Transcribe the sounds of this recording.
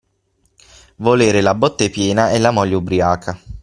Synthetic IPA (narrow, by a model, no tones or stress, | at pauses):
voleːɾelabɔt̪ːepjɛːnaɛlːamɔʎːaubɾiaːkʰa